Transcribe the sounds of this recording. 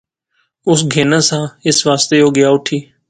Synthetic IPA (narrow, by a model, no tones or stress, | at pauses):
ʊsɡʱeːnãːsãːɪsʋaːst̪eːoːɡɪjaːʊʈʰiː